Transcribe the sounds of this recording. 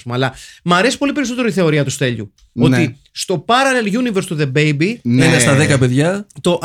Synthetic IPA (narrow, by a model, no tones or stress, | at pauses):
smoɐlɐmɐɾe̞si̥po̞lipe̞ɾiso̞t̪eot̪iθe̞o̞ɾiɐt̪ust̪e̞ʎṵ | o̞ni | st̪o̞pɐɾɐnelʝuniveɾst̪uðe̞bejbinenest̪ɐðekɐpe̞ðʝɐt̪o̞ʔ